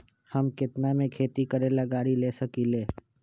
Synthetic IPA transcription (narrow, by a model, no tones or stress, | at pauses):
hɐmkɪt̪namẽkʰeːt̪ikəɾẽləɡaːɾileːsɐkileː